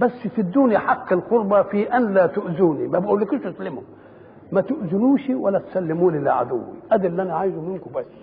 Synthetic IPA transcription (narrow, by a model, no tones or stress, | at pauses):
bæsːfid̪ːuːnjaħaqːɪlqʊɾˤbɑfiʔanlaːt̪ʊʔzuːnimæbʔuːlːɪkiʃʔʊsalːɪmʊ | mæt̪ʊʔzɪluːʃiwalːæt̪salːɪmuːnilɪ̰ʕa̰d̪ʊ̰wːḭʔæd̪ɪlːʔænaʕaːjzumɪnkʊbæsː